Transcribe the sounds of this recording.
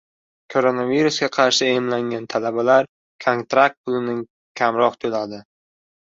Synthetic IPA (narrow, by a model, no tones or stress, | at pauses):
kʰoɾonaviɾusɡʲaqʰɑɾʃɪemlaŋɡʲant̪ʰalabalaɾ | kʰont̪ɾak̚t̪̚pʰʊlɪnɪŋ | kʲʰamɾɒqt̪ʰolad̪ɪ